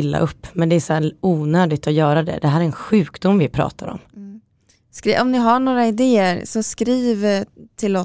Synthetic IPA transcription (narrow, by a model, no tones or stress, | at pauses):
lːa̰ʔɵpːmɛnd̪ɛæsæːuːnøːd̪ɪt̪ɔjœːɾad̪ɛ̰d̪ɛɦæːɾæɾɛnɧʉ̟ːkd̪ʊmːvɪpʰɾɑ̰ːt̪ʰaɾɔ̰m | skɾiːʔɔmnɪɦaɳoːɾaɪd̪eːəɾsɔskɾiːvt̪ʰɪlɔ